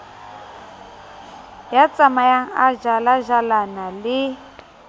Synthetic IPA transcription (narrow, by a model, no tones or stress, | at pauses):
jat͡sʼamajaŋ̩aʒalaʒalanalɪ